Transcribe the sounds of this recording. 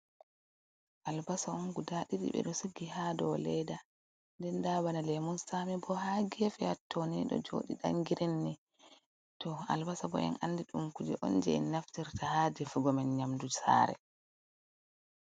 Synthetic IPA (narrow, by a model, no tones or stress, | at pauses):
ʔalbasauŋɡudaɗiɗḭɓɛ̰ɗɔsuɡːihadɔlɛjda | ndɛndaːβanalɛmunsamibɔhaɡefɛatːɔniɗɔ̰d͡ʒo̰ːɗiɗa̰ŋɡiɾinːɛ | tɔa̰lbasabɔ̰ɛ̰nanːdiɗumkud͡ʒɛ̰ʔɔnd͡ʒɛɛnːaftiɾtahaːdɛfuɡɔmɛnɲamdusa̰ɾɛ̰